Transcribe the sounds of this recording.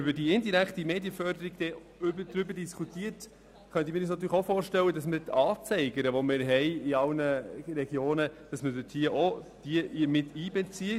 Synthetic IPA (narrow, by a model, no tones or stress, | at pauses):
ʏbədiɪndiɾæktimeːdjəfœrdəɾiɡ̥d̥ɛ | ʏbədɾʏbəɾdiskʰutiːət | χœnt̪əmiɪːɾysnɑt̬yːɾləχofoːɾʃtɛlːədɑsməɾtʰɑːt͡sɛɪɡəɾəʋɔmɪːɾɦɛɪiɑlnəɾɛɡ̥joːnəd̥ɑsmədøthiəʔɔd̥iəʔmɪtiːbɛt͡siə